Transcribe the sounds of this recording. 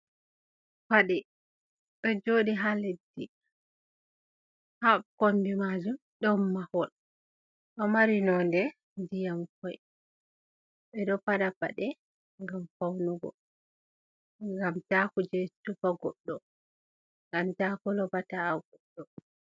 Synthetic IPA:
faɗɛ | ɓɛd͡ʒoɗiɦaledːi | hakombimad͡ʒum | ɗɔmːahɔl | ɗɔmaɾinɔndɛ | dijamkɔj | ɓɛɗɔpaɗapa̰ɗɛ | ŋɡamfawnuɡɔ̰ | ŋɡamtakud͡ʒɛtufaɡɔɗːɔ | ŋɡamtakɔlɔbataːɡɔɗːɔ

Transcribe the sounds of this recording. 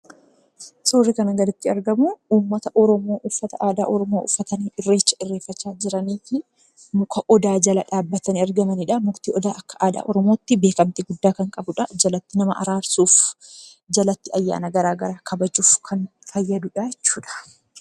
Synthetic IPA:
soːrːɪkɐnɐɡɐlɪt̪ːɪɐɾɡɐmuuːmːɐt̪ɐʔɔɾɔmo̞ːʔʊfːɐt̪ɐʔaːd̪a̰ːʔɔɾɔmo̞ːʔʊfːɐt̪ɐniːɪrːeːt͡ʃːɐ̥ʔɪrːe̞ːfːɐt͡ʃːaːd͡ʒɪɾɐniːfɪ | mʊkɐʔɔd̪aːd͡ʒɐlɐᶑaːbːɐt̪ɐniɐɾɡɐmɐniᶑɐmʊkt̪iːʔɔd̪aːʔɐkːɐ̥ʔaːd̪a̰ːʔɔɾɔmo̞ːt̪ːɪbeːkɐmt̪ɪɡʊd̪ːaːkɐŋkʼɐbʊᶑɐd͡ʒɐlɐt̪ːɪnɐmɐʔɐ̰ɾaːɾsuːf | d͡ʒɐlɐt̪ːɪɐjːa̰ːnɐɡɐɾaːɡɐɾaːkʰɐbɐd͡ʒuːfkʰɐnfɐjːɐd̪uᶑajɛt͡ʃːuːᶑɐ̥

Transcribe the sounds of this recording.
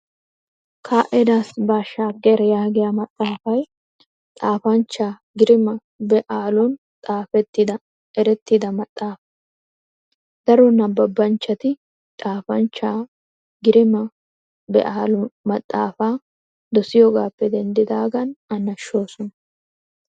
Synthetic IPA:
kʰaːʔɛd̪aːsbaːʃaːɡɛɾɐjaːɡɪjamɐt̪ʼːaːfɐj | t̪ʼaːfɐnt͡ʃːaː | ɡɪɾɪmɐ | bɛʔaːlʊn | t̪ʼaːfɛt̪ːɪd̪ɐ | ɛɾɛt̪ːɪd̪ɐmɐt̪ʼːaːfɐ̥ | d̪̥ɐɾɔnɐbːɐbːɐnt͡ʃːɐt̪ɪ | t̪ʼaːfɐnt͡ʃːaː | ɡɪɾɪmɐ | bɛ̰ʔaːlʊmɐt̪ʼːa̰ːfaː | d̪ɔsɪjɔːɡaːpːɛd̪ɛnd̪ɪd̪aːɡɐnɐnːɐʃo̞ːsɔnɐ

